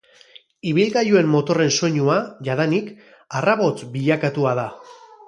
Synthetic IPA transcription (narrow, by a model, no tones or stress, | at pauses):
iβ̞ilɣajue̞mːo̞t̪o̞re̞nso̞ɲuaʝaðanik | araβo̞t͡sbiʎakat̪uað̞a